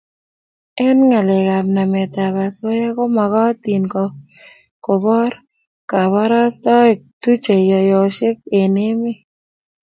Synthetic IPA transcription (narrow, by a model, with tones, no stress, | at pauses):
ɛ˦nŋa˨le˨ka˨mna˨mɛ˨t̪a˨βa˨so˦je˦kɔ˦ma˨ɣɔ˦t̪i˨nkɔ˨ | ko˨bɔ˦ɾ | ka˨βa˦ɾa˦sd̪ɔ˦e˨tu˦t͡ʃe˨jɔ˨jɔ˨ʃe˦ke˨ne˦me˦